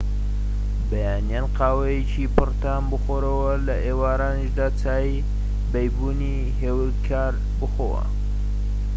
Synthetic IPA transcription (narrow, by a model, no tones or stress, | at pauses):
bɐjaːnjaːnqaːwɐjet͡ʃipɨrt̪aːnbɨxoːɾɐwɐlɐʔeːwaːɾaːniʃd̪aːt͡saːj | bɐjbuːni | ɦeːw | kʰaːɾ | bɨxowɐ̰